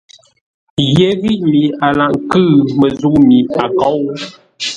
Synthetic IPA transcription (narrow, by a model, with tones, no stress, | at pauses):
je˨˦ɣi˦˨ʔmi˨a˨la˨ʔŋ˦kɨ˦˨mə˨zu˦ʔmi˨a˨kɔ˦w